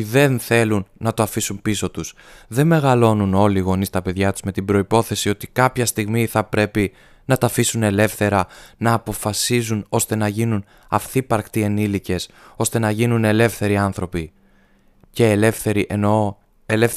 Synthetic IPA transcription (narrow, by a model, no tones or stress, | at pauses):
iðe̞nθe̞lunːɐt̪oɐfisumpiso̞t̪us | ðe̞nme̞ɣɐlo̞nuno̞liɣo̞nist̪ɐpe̞ðʝɐt̪u̥zme̞t̪ibɾo̞ipo̞θe̞sio̞t̪ikɐpçɐst̪iɣmiθɐpɾe̞pi | nɐt̪ɐfisune̞le̞fθe̞ɾɐnɐːpo̞fɐsizuno̞st̪e̞nɐʝinun | ɐ̰fθipɐɾkt̪ienilice̞so̞st̪e̞nɐʝinune̞le̞fθe̞ɾiɐnθɾo̞pi | ce̞lefeɾiʔeno | elef